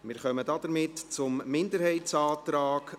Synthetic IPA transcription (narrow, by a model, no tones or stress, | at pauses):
mɪːɾχœmədɑd̥əɾmɪtt͡sʊmːɪndəɾhɛɪtt͡saːt̪ɾaːk